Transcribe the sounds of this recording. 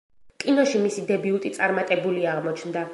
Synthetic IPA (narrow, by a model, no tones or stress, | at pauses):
kʼinɔʃimisid̪ɛbiulˠt̪ʼit̪sʼaɾmat̪ʼɛbuliaːʁmɔt͡ʃʰnd̪a